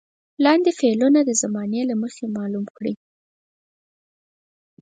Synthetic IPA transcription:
lɑnd̪efelunad̪əzamɑnelaməxemɑlumkɽi

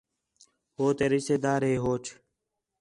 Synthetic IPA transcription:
hoːt̪eːɾɪst̪eːd̪aːɾɦeːɦoːt͡ʃʰ

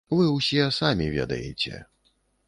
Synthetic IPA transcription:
vɨwsʲisamʲivʲɛ̰d̪ɐ̰jɛ̰t͡sʲɛ̰

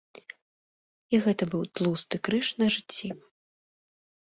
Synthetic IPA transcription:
iɣɛt̪ɐbɨwt̪lˠust̪ɨkɾɨʂnɐʐɨt͡sʲːi

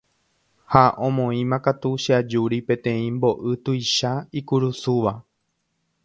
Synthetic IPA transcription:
haʔõmõĩmãkat̪uʃad͡ʒuɾipẽ̞t̪ẽ̞ĩmbo̞ʔɨt̪ujʃaikuɾusuʋa

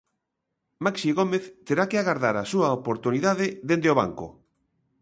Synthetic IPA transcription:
maksiɣomeθt̪eɾakeaɣaɾðaɾasuaopoɾt̪uniðaðeðend̪eoβa̰ŋko̰

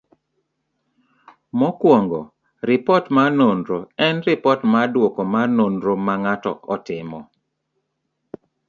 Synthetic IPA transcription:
mɔkwɔŋɡɔ | ɾɪpɔtmanondɾoɛnrɪpɔtmadwokɔmanondɾomaŋatɔ̰ɔtɪmɔ

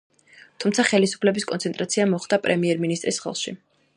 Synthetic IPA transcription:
t̪ʰumt̪sʰaχɛlisu̥pʰlɛbiskʼɔ̰nt̪ʰɛnt̪ʼɾat̪sʰiamɔχd̪apʼɾɛmiɛɾminist̪ʼɾisχɛ̰lˠʃḭ

